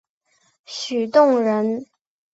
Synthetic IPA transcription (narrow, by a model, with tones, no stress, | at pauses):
ɕy˨˩t̪ʊ˥˩ŋɻə˧˥n